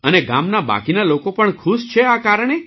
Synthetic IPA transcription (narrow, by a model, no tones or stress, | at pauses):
əneɡa̰mnaba̰kinalokopəɳkʰuʃt͡ʃʰeakaɾəɳ̃e